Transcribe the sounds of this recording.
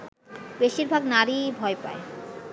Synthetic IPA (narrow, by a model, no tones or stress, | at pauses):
beʃiɾbʱaɡnaɾibʱɔepa̰e